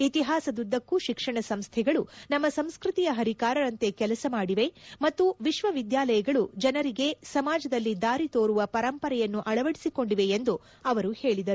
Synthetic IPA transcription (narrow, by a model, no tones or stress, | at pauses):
it̪iɦaːsɐd̪ud̪ːɐkːuʃikʂɐɳɐsɐmst̪ʰɛɡɐɭunɐmːɐsɐmskɾɨt̪ijɐɦɐɾikaːɾɐɾɐnt̪e̞kɛlɐsɐmaːɽiʋe̞mɐt̪ːuʋiʃʋɐʋid̪jaːlɐjɐɡɐɭud͡ʒɐnɐɾiɡe̞sɐmaːd͡ʒɐd̪ɐlːid̪aːɾit̪o̞ːɾuʋɐpɐɾɐmpɐɾɛjɐnːuʔɐɭɐʋɐɽisiko̞ɳɖiʋe̞end̪u | ɐʋɐɾuhe̞ːɭid̪ɐɾu